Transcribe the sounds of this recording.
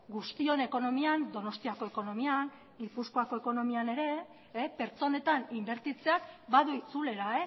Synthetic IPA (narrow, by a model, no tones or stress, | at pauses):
ɡust̪io̞ne̞ko̞no̞miand̪o̞no̞st̪iako̞e̞ko̞no̞mian | ilpuskoako̞eko̞no̞miane̞ɾe̞ː | pe̞ɾt͡so̞ne̞t̪animbe̞ɾt̪it͡se̞akbaðuit͡sule̞ɾae